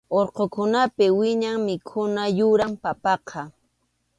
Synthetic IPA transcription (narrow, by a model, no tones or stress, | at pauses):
oɾqokʊnapɪwɪɲaŋmɪkʰʊnajʊɾampapɑqʰɑ